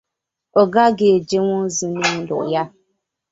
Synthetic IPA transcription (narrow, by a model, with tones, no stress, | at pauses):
o˨ɡa˦ɡe˨d͡ʒe˦ŋʷʊ̃˦n˦zi˦ne˦n̩˦dʊ̰˨ʔja˦